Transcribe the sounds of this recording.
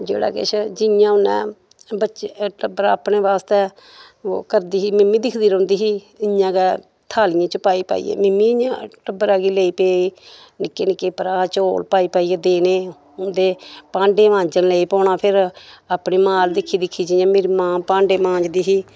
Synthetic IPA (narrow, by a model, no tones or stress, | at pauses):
d͡ʒḛːɽa̰ːkɪ̰t͡ʃʰd͡ʒɪjãːʊnɛ̰̃ː | bəʃʈəbəɾaːpneːʋaːst̪eː | o̰ːkəɾd̪iːɦiːmɪmːĩːd̪ɪkʰd̪iːɾõːnd̪iːɦiː | ɪãːkɛː | t̪ʰaːlɪjãːt͡ʃəpaːiːpa̰ːḭːḛːmɪmːĩːɪɲã̰ːʈəbəɾaːɡiːleːiːpeːiː | nɪkːeːnɪkːeːpəɾaːt͡ʃoːlpaːiːpaːiːeːd̪eːneː | ʊnd̪eːpãːɳɖeːʋãːɲd͡ʒənleːiːpɔ̃ːɳaːpʰɪɾaːpneːmaːld̪ɪkʰːiːd̪ɪkʰːiːd͡ʒɪjãːmeːɾiːmãːpãːɳɖeːmãːɲd͡ʒd̪iːɦiː